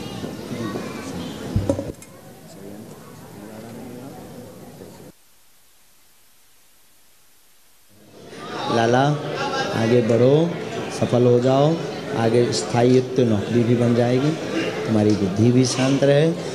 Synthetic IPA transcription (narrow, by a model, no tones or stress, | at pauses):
d͡ʒi | sɐjənt̪ilaːlamɐnɡa | laːla | a̰ːɡebəɽ̤osəpʰəlɦod͡ʒaːoa̰ːɡest̪ʰaːiɪt̪ːjonɔːkɾibʱibənd͡ʒaːeːɡi | t̪ʊmaːɾiɡʊd̪ʱːibʱiʃãːnt̪ɾəɦe